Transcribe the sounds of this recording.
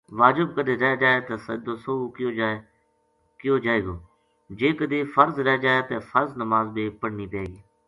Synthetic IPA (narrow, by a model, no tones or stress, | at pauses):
ʋaːd͡ʒɪb̚kəd̪eːɾɛɦd͡ʒaːeːt̪eːsə̰d̪oːsoːoːkjoː | kɪjoːd͡ʒaːeːɡoː | d͡ʒeːkəd̪eːfʰəɾzɾɛɦd͡ʒaːeːt̪eːfəɾznəmaːzbiːpəɽniːpeːɡiː